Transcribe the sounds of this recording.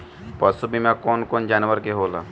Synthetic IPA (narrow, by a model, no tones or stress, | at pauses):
pɐsubʱimãkɔːnkoːnd͡ʒaːnʋəɾkeɦoːla̰ː